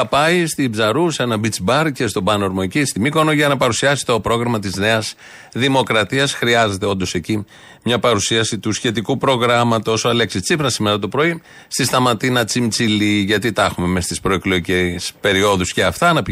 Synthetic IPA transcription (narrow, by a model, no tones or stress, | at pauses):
ɐpɐjst̪ibzɐɾusenɐbit͡sbɐɾcest̪o̞bɐnoɾmoecist̪imiko̞noʝɐnɐpɐɾusiɐsi̥t̪o̞pɾo̞ɣɾɐmɐt̪izne̞ɐs | ðimo̞kɾɐt̪iɐsxɾiɐze̞t̪e̞o̞nd̪o̞se̞ci | mɲɐpɐɾusiɐsit̪usçe̞t̪ikupɾo̞ɣɾɐmɐt̪osoɐle̞ksit͡sifɾɐsimeɾɐt̪o̞pɾo̞i | st̪ist̪ɐmɐt̪inɐt͡simt͡siliʝɐt̪it̪ɐxume̞mest̪ispɾo̞eklo̞ʝicespe̞ɾio̞ðusceɐft̪ɐːnɐp